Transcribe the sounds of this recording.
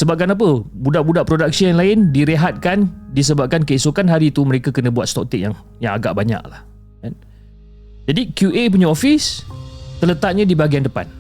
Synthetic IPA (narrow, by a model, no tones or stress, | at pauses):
səbap̚kanap̬əbudaʔbudaʔpɾodak̚sijaŋlaɪndiɾeɦat̪̚kandis̬əbap̚kankəisukanɦaɾit̪uməɾekakənə̃buat̪̚st̪ɔk̚t̪ɪk̚jaŋ | jaŋaɡa̰ʔbaɲa̰klah | an | d͡ʒadikjuʔep̬uɲãofist̪ələt̪at̪̚ɲãdibaɡiandəpa̰n